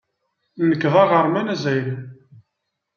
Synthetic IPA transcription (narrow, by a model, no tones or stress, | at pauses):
nəkːðˤɑʁəɾˤmænæzæjɾə